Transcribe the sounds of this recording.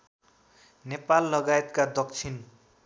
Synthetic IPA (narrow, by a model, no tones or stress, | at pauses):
nepalːʌɡaet̪kad̪ʌk̚t͡sʰin